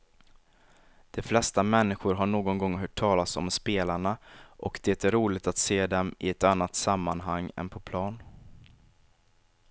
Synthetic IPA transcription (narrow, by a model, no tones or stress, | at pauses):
d̪̥ɛflɛst̪amɛnːɪɧʊɾɦaɳoːɡɔnɡɔŋɦœːʈʰːɑːlasɔ̰mspeːlaɳaʔɔkd̪eːt̪æɾuːlɪɡt̪at̪seːd̪ɛmɪɛt̪anːat̪samːanɦaŋːɛ̰npʰɔpʰlɑːn